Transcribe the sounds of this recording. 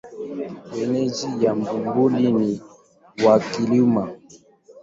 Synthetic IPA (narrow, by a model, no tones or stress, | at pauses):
wɛnɛd͡ʒijambumbulini | wakilima